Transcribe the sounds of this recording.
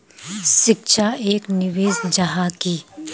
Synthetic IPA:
ʃɪkʃʰaeːknɪʋeːzd͡ʒaɦakiː

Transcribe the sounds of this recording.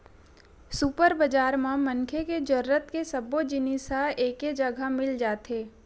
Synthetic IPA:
supəɾbəd͡ʒaːɾmãmə̃nkʰeked͡ʒəɾːət̪kesɐbod͡ʒɪniːsaeːked͡ʒəɡʱamɪld͡ʒaːt̪eː

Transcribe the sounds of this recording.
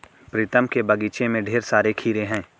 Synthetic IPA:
pɾɪt̪əmkebɐɡiːt͡ʃemẽɖʱeːɾsaːɾekʰiːɾeɦɛ̃ː

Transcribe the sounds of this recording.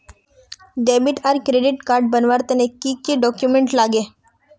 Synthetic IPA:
ɖebiʈaɾkɾeɖiʈkaɾɖ̚bənʋaɾt̪enekikeɖɔkjumeɳʈlaɡe

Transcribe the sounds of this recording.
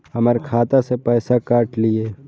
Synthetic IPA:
hɐməɾkʰaːt̪asepɛːsakaːʈlieː

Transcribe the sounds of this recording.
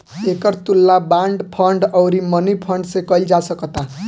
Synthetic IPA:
ekʌrt̪ulːabaɳɖpʰʌɳɖʌwɾimʌnipʰʌɳɖsekʌjld͡zasʌkʌt̪a

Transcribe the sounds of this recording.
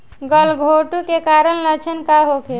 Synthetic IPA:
ɡəlɡʱoʈukekaɾənlət͡ʃʰənkaɦoke

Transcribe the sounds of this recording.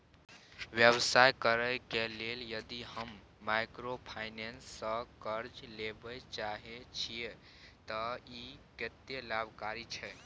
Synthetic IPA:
ʋjəbsajkəɾəjkeleljəd̪ihəmː | ajkɾopʰaɪnensːəkəɾd͡ʒlebəjt͡ʃaɦet͡ʃʰie | t̪əiket̪elabʱkaɾit͡ʃʰɛ

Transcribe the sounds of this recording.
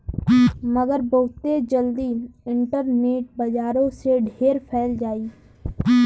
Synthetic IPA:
məɡəɾbəɦʊt̪ed͡ʒəld̪iɪ̃ɳʈəɾneːʈ̚bəd͡ʒaːɾõseɖʱeːɾpʰɛːld͡ʒaːiː

